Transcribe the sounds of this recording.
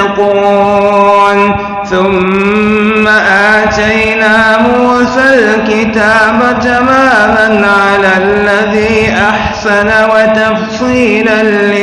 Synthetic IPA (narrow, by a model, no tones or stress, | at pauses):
quː | n | θʊmː | aʔaːt̪ajnaːmuːsalkɪt̪aːbad͡ʒamaːmanʕalalːaðiːʔaħsanawat̪ɑfsˤiːlanːɪ